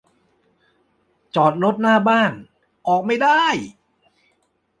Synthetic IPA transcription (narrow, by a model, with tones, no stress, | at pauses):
t͡ɕɔː˨˩t̪̚ɾo˦˥t̪̚naː˥˩baː˥˩n | ʔɔː˨˩k̚ma˥˩jda˥˩j